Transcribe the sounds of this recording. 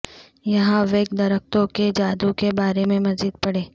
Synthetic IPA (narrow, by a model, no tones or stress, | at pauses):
jɐɦãʋeːɡd̪ɐɾək̚t̪õked͡ʒaːd̪ukebaːɾemẽmɐziːd̪̚pɐɽeː